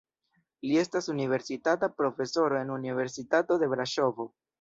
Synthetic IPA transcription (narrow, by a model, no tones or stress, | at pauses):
lie̞stasunive̞ɾsitatapɾo̞fe̞so̞ɾoe̞nunive̞ɾsitato̞d̪e̞bɾaʃo̞vo̞